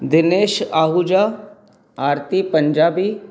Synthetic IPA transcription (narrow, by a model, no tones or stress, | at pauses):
d̪ɪneːʃaːɦud͡ʒaː | aːɾt̪ipə̃ɲd͡ʒaːbiː